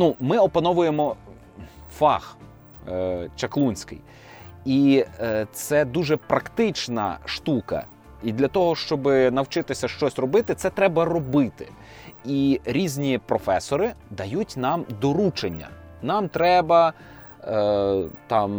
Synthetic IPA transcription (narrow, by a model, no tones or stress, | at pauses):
numɪɔpɐnɔʋʊjemɔ | fɑ̰x | t͡ʃɐklˠunʲsʲkɪ̰j | it̪sɛd̪uʒɛpɾɐkt̪ɪt͡ʃnɐ̰ʃt̪ukɐ̰ | id̪lʲɐt̪ɔɦɔʃt͡ʃɔbɪnɐwt͡ʃɪt̪ɪsʲɐʃt͡ʃɔsʲrɔbɪt̪ɪt̪sɛt̪ɾɛbɐɾɔbɪt̪ɪ̥̰ | iɾʲizʲnʲipɾɔfɛsɔɾɪd̪ɐjutʲnɑmd̪ɔɾut͡ʃenʲːɐ̰nɑmt̪ɾɛbɐ | t̪ɑm